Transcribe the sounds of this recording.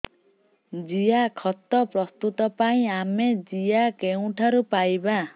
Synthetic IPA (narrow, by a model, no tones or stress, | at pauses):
d͡ʒijakʰɔt̪ɔpɾɔst̪ut̪ɔpaĩamed͡ʒijakeũʈʰaɾupajba